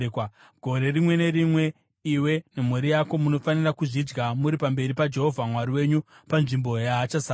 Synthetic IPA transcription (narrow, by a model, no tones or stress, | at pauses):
k | ɡʱo̞ɾe̞rimwe̞ne̞ɾimwe̞ | iwe̞nemuɾijako̞muno̞fanirakuʐid͡ʒɡamuɾipambe̞ɾipad͡ʒe̞ɦo̞vʱamwaɾiwe̞ɲupanʐimbo̞jaːt͡ʃasa